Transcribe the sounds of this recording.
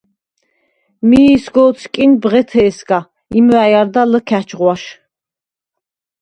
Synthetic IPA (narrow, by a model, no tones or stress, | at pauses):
miːsɡɔːt̪sʰkʼinbʁɛt̪ʰɛːsɡa | imwæjaɾd̪aləkʰæt͡ʃʰʁwaʃ